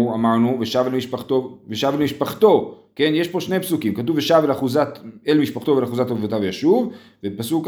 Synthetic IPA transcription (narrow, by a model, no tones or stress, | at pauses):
amaʁnuveʃavlmiʃpaχt̪oveʃavlemiʃpaχt̪o̞ | kenjeʃpo̞ʃne̞psukimkat̪̬uveʃavelaχuzat̪elmiʃpaχt̪o̞velaχuzat̪ovot̪avjaʃuv | vepasuk